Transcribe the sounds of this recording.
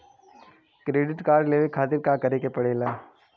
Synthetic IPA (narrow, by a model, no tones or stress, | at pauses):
kɾeːɖɪʈkaːɾɖleːʋekʰaːt̪ɪɾkakɐɾeːkepɐɽeːlaː